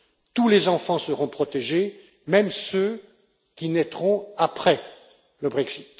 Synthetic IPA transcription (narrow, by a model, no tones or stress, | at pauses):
t̪ulezɑ̃fɑ̃səʁɔ̃pχɔt̪eʒe | mɛmsø | kʲinɛt̪χɔ̃apχɛ | ləbʁɛksit̪